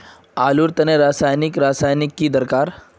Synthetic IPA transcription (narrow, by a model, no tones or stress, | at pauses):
aluːɾt̪ənẽɾasajnikɾasajnikːiːd̪əɾkaɾ